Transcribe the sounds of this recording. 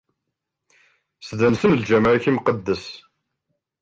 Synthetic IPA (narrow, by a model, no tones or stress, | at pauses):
sðənsənld͡ʒæmʕçimqəd̪ːəs